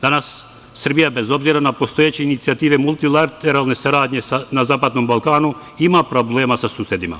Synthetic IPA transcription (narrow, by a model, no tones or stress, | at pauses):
d̪anasː | ər̩bijabezobziɾanapost̪ojet͡ɕeinit̪siat̪iːʋemulˠt̪ilat̪eɾalˠnesaɾaːd̪ɲesanazaːpad̪nombalˠkaːnu | imapɾobleːmasasuːsed̪ima̰